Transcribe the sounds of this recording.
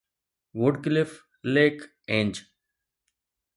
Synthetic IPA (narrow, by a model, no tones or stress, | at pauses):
ʋʊɖklɪf | leːk | ẽːɲd͡ʒ